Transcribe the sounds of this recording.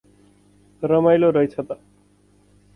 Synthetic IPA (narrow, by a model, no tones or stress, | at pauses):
rʌmajloɾʌjt͡sʰʌt̪ʌ